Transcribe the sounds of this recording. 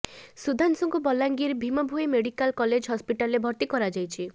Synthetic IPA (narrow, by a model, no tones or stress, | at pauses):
sud̪ʱansɔŋkubɔlːaŋɡiɾbʱimɔbʱujmeɽikalkɔled͡ʒɦɔspiʈalɾebʱɔɾt̪ikɔɾad͡ʒajt͡ʃʰi